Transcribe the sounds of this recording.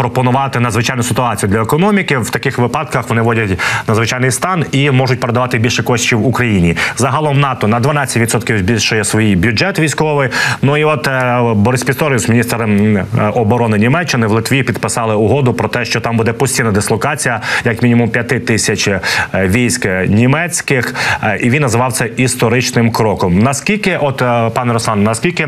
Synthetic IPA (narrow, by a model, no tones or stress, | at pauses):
pɾɔpɔnʊʋɑt̪ɪnɐd̪zʋɪt͡ʃɑjnʊsɪt̪ʊɑt͡sʲijʊd̪lʲɐekɔnɔmʲikɪwt̪ɐkɪxʋɪpɑd̪kɐxʋɔnɪʋɔdʲɐtʲnɐd̪zʋɪt͡ʃajnɪjst̪ɑnimɔʒʊt̚ʲpeɾed̪ɐʋɑt̪ɪbʲilʲʃɛkɔʃʲt͡ʃiwukɾɐjinʲizɐɦɐlˠɔmnɑt̪ɔnɐd̪ʋɐnɑɐtʲʋʲit̪sɔt̪kʲiwbʲilʲʃʊjɛsʋɔjibʲjʊd͡ʒɛt̪ʋʲijsʲkɔʋɪjnuiɔt̪bɔɾɪsʲpʲist̪ɔɾjʲusmʲnʲist̪ɾ | ɔbɔɾɔnɪnʲimɛt͡ʃːɪnɪʋlˠɪt̪ʋʲiipʲid̪̚pɪsɑlˠɪʊɦɔd̪ʊpɾɔt̪ɛʃt͡ʃɔt̪ɑmbud̪ɛpɔsʲtʲijnɐd̪ɪslˠɔkɑt͡sʲijɐjɐkmʲinʲimʊmpʲjɐt̪ɪt̪ɪsʲɐt͡ʃʋʲijsʲknʲimɛt͡sʲkɪxiʋinːɐzɪʋɑwt̪sɛist̪ɔɾɪt͡ʃnɪmkɾɔkɔmnɐskʲilʲkɪʔɔt̪pɑnɛɾɔsɑnnɐskʲilʲkɪ